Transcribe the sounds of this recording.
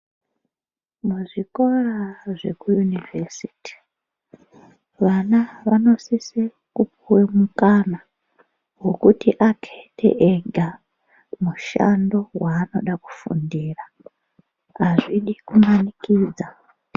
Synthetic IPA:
muʐiko̞raʐekujunivesiti̥ | ʋanaʋano̞sisi | kupuwemukana | wo̞kutiʔakʰetʰḛʔeɡʱa | muʃa̰ndo̞waːno̞̰ɗaku̥fṵndiːra | aʐiɗikumanikiːd͡za

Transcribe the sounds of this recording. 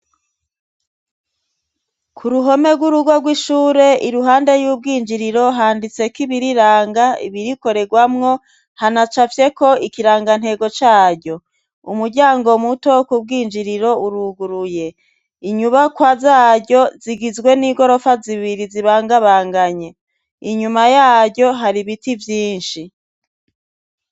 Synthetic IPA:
kʰuɾuɦo̞me̞ɡwuɾuɡo̞ɾɡwiʃuːɾe̞iɾuɦaːnde̞jub̚ɡiːnd͡ʒiɾiɾo̞ɦaːndit͡se̞kiβiɾiɾaːŋɡaḭβiɾiko̞ɾe̞ɡwamŋo̞ | hanat͡ʃafje̞ko̞ikiɾaːŋɡan̥he̞ːɡo̞t͡ʃaːɟo̞ | ṵmuɾɟaːŋɡo̞muto̞kub̚ɡiːnd͡ʒiɾiɾo̞uɾuɡuɾuje̞ | iɲuβakwazaːɟo̞ziɡizɡwe̞niɡo̞ɾo̞faziβiɾiziβaːŋɡaβaːŋɡaɲe̞ | iɲumajaːɟo̞ɦaɾiβitivjiːnʃi

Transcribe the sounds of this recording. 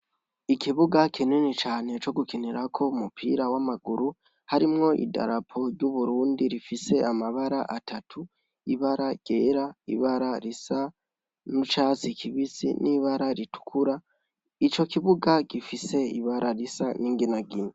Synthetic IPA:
ikiβuɡakʰininit͡ʃaːne̞t͡ʃo̞ɡukiniɾakʰo̞umupʰiɾawamaɡuɾu | haɾimŋo̞ʔḭda̰ɾapʰo̞ɾɟuβuɾuːndiɾifise̞amaβaɾa̰ʔatʰatʰu | iβaɾaɟ̥eɾaḭβaɾaɾisa | nut͡ʃaːt͡sikʰiβisḭniβaɾaɾitu̥kʰuɾa | it͡ʃo̞kiβuɡaɡifise̞iβaɾaɾisaniːŋɡinaɡine

